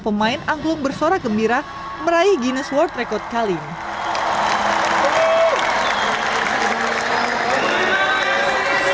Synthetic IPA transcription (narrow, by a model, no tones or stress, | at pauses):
pəmaɪnaŋklʊŋbərsoɾakəmbiɾa | məɾaiɡinəswɔrt̪rekɔrt̪̚kalin